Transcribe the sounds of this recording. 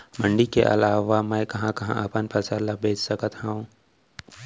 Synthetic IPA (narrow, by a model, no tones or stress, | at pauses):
mə̃ɳɖikḛʔɐ̰laːʋamɛkɐɦãkɐɦã̰ʔɐpənpəsəɾlabʱeːt͡ʃsɐkət̪ɦəũ